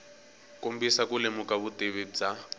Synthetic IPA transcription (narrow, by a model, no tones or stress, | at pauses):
kombisakulemukaβutʼeβid͡za